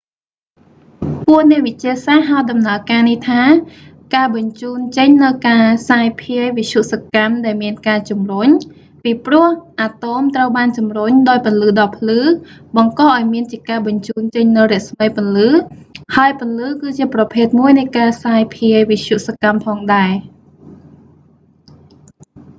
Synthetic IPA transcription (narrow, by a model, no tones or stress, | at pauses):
pʊəʔnɛ̆əʔʋɨc̚t͡ɕiəsaɦaət̪̚ɗɑmnaəkaːniht̪ʰaː | kaːɓɑɲt͡ɕuːnt͡ɕəɲnɨwkaːsaːjpʰiəjʋic̚ɕʰuʔsăkamɗaɛlmiənkaːt͡ɕumruɲ | piːprʊ̆əhʔaːt̪oːmt̪rəwɓaːnt͡ɕumrʊɲɗaːjpɨnlɨːɗɑːpʰlɨːɓɑŋkɑːʔaɔjmiənt͡ɕiəkaːɓɑɲt͡ɕuːnt͡ɕəɲnɨwrɛ̆əʔsməjpə̆nlɨːhaəjpʊ̆nlɨːkɨːt͡ɕiəprɑpʰeːt̪̚muəjnɨjkaːsaːjpʰiəʋit͡ɕʰjuʔsakampʰɑːŋɗaɛ